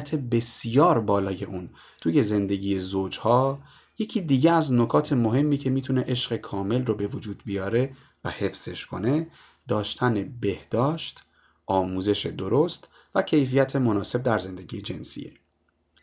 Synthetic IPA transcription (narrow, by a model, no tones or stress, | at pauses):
t̪ʰe̞be̞sijɒːɾbɒːlɒːje̞ʔuːn | t̪ʰuːje̞ze̞nd̪e̞ɟʲiːjezoːd͡ʒhɒː | je̞cʰiːd̪iːɟeæzno̞kʰɒːt̪ʰe̞mo̞ɦe̞mːiːcʰe̞miːt̪ʰune̞ʔeʃɢe̞kʰɒːme̞lrobe̞vod͡ʒuːd̪̚bijɒːɾe̞ | væ̰he̞fz̥e̞ʃkʰo̞̰ne̞ | d̪̥ɒːʃt̪ʰæne̞be̞hd̪̥ɒːʃt̪ | ʔɒːmuːze̞ʃe̞d̪o̞ɾost̪ | væcʰe̞jfijæt̪ʰe̞mo̞nɒːse̞b̚d̪æɾze̞nd̪e̞ɟijed͡ʒe̞̰nsḭjḛ